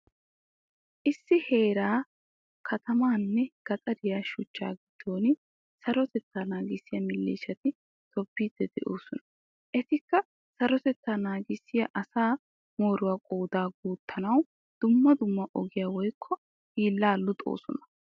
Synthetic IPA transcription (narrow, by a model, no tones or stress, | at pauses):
ʔɪsːɪhe̞ːɾaː | kʰɐt̪ʰɐmaːnːɛɡ̥ɐt̪ʼɐd̪ɪjaːʃʊt͡ʃːa̰ːɡɪd̪̥ːo̞ːnɪ | sɐɾɔt̪ɛt̪ːaːnaːɡɪsːɪjɐmɪlːḛːʃɐt̪ɪ | t̪ɔbːiːd̪̥ːɛd̪ɛ̰ʔoːsɔnɐ̥ | ʔɛt̪ɪkːɐ | sɐɾɔt̪ɛt̪ːaːnaːɡɪsːɪjɐʔɐsaː | moːɾʊwaːkʼoːd̪aːɡuːt̪ːɐnɐw | d̪̥ʊmːɐd̪ʊmːɐʔɔɡɪjawɔjkʰːɔ | hiːlːaːlːʊt̪ʼo̞̰ːsɔnɐ̥